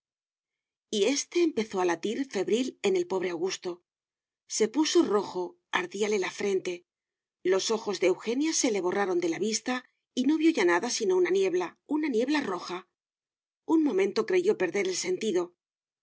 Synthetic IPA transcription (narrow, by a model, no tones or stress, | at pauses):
ie̞st̪e̞ːmpe̞θo̞alat̪iɾfe̞βɾile̞ne̞lpo̞βɾe̞awɣust̪o̞ | se̞puso̞ro̞xo̞ | aɾðiale̞lafɾe̞nt̪e̞ | lo̞so̞xo̞zðeːwxe̞njase̞le̞βo̞raɾo̞nd̪e̞laβist̪a | ino̞βjo̞ʝanaðasino̞unanje̞βlaunanje̞βlaro̞xa | unmõ̞mẽ̞nt̪o̞kɾe̞ʝo̞pe̞ɾðe̞ɾe̞lse̞nt̪iðo̞